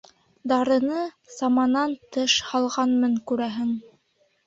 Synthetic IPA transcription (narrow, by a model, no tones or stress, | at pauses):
d̪ɑɾɤ̆nɤ | sɑmɑnɑnt̪ɤʃhɑlˠʁɑnmɤŋkʉɾæɦɘŋ